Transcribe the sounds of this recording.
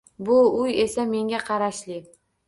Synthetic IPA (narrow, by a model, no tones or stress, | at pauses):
bʊʊje̞same̞ŋɡʲaqʰɑɾaʃlɪ